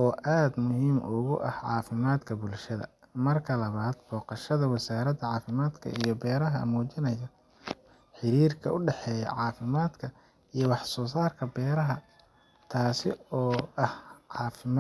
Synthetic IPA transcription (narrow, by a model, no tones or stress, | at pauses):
ʔɔːʔaːd̪mʊɦiːmʔʊ̰ɣʊʔɐhʕɑ̰ːfɪmaːd̪kʰɐbʊlʃɐðɐ̰ | mɐrkʰɐlɐβaːd̪b̥ɔːqɑʃɐðɐwɑsaːɾɐd̪ɐʕɑːfɪmaːd̪kʰɐ̰ijɞbɛːɾɐɦɐ̰muːt͡ʃɪnɛjɐ | ħɪɾiːrkʰɐʊɖɛħɛːjɐ̰ʕɑːfɪmaːd̪kʰɐ | ijɔwɑħsɔːsaːrkʰɐbɛːɾɐɦɐ | t̪ʰaːsɪ̰ɔːɐhʕɑːfɪm